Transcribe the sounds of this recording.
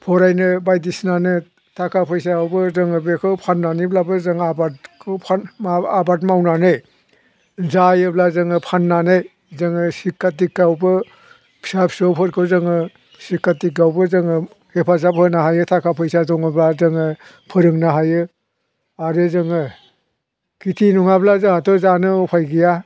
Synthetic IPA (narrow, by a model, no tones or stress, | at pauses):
pʰɔɾajnɯbajdisnanɯ | tʰakʰapʰɯjs̬aawbɯzɯŋɯbekʰɯwpʰanːaniblabɯzɯŋabatkʰɯpʰaaabatmawnanɯj | zajɯblazɯŋɯpʰanːanɯj | zɯŋɯsikːatikːawbɯ | pʰsapsowpʰɯɾkʰɯzɯŋɯ | sikːatikːawbɯzɯŋɯ | hepʰazapʰɯnaɦajɯtʰakʰapʰɯjsazɔŋɯblazɯŋɯ | pʰɯɾɯŋnaɦajɯ | aɾezɯŋɯ | kitʰinuŋablazɯhatɔzanɯɔpʰajɡija